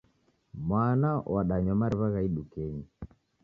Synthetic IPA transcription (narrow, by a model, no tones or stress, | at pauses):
mwanawaɗaɲɔmaɾiβaɣaiɗukɛɲi